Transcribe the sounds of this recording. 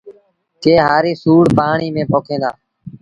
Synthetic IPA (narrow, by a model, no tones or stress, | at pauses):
keːɦaːɾiːsuːɽpaːɳiːmẽːpoːkʰẽːd̪aː